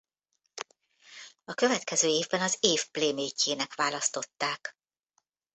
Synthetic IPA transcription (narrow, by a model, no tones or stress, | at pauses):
ɒkø̞vɛt̪kɛzøːeːvbɛnɒzeːfpleːmeːcːeːnɛkʋaːlɒst̪o̞t̪ːaːk